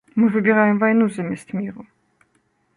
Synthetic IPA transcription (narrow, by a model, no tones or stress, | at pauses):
mɘvɘbʲjɛɾajɔmvajnuzamʲast̪mʲiɾu